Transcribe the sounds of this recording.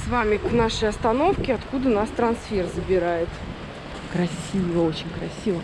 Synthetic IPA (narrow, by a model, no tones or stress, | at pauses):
svamʲɪknaʂəjɐst̪ɐno̞fkʲɪɐt̪kud̪ənast̪ɾɐnsfʲerzəbʲɪɾajɪt̪ | kɾɐsʲivəot͡ɕɪnʲkɾɐsʲivə